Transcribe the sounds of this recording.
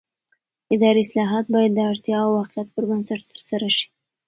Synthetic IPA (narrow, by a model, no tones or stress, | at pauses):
ɪd̪ɑɾiɪslɑɦɑt̪̚bɑjad̪ːəaɽt̪jɑawaxljat̪̚pəɾbansaʈt̪əɾsaɾaʂi̥